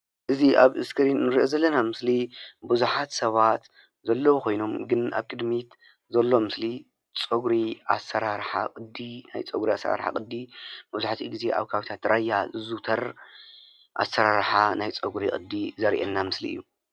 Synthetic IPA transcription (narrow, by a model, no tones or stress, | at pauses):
ʔɨziʔaβʔɨskʰɨɾinːɨɾɨʔozɐlːɐnamɨslibɨzuħat̪sɐβat̪ | zɐlːɐwukʰo̞jno̞mɡɨna̰βkʼɨd̪mit̪ | zɐlːo̞mɨsli | t͡sʼɐɡɾia̰sɐɾaɾħa̰kʼɨd̪ːina̰jt͡sʼɐɡɾiasɐ̰ɾa̰ɾħa̰kʼɨd̪ːibɨzuħt̪ʰiɡize̞ʔa̰βkʰaβit̪ʰat̪ɾʔajːazɨzut̪ʰɐɾ | ʔa̰sɐɾaɾħanajt͡sʼɐɡɾikʼɨd̪ːizɐɾʔḛnːamɨslḭʔɨ̰jːu